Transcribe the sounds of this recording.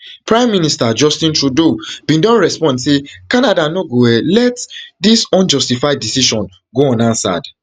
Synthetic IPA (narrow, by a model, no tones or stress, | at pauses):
pɹãɪ̃mːĩnistad͡ʒɔstĩntɹudobĩndɔ̃nɹɛspɔ̃ndsekanadanoɡoɛlɛtdisɔ̃nd͡ʒɔstifaɪdisiʃɔ̃n | ɡoɔ̃nãnsa̰d̥